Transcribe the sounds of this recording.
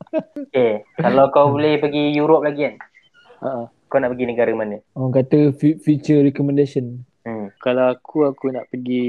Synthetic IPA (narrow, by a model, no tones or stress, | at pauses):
kekalawkawbolɛhpaɡijuɾop̚laɡian | əʔəakawnaʔpəɡinəɡaɾəmanəŋkat̪əfufjut͡ʃəɾɛkɔmə̃ndasiɔn̩ | kalawakuakunaʔpəɡi